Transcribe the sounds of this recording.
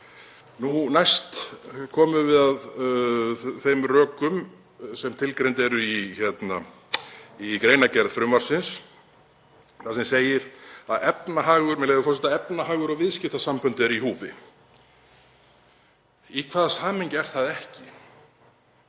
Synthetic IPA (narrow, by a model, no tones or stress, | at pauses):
nunajst̪kʰɔːmʏvɪðað | θejmrœːkʏm | sɛmt̪ʰɪlkɾejnt̪ɛɾʏiçɛt̪na | ikɾeːjnacɛɾð̥fɾʏmvaɾ̥sɪns | θasɛmseːjɪɾaðɛpnaɦaːɣʏɾmɛlɛjðʏfɔ̥rsɛt̪aɛpnaɦaːɣʏɾɔvɪðscɪht̪asampʏnt̪ɛɾiɦuːvɪ̰ | ikʰvaːðsaːmɪɲcɛɾ̥θaðɛhcɪ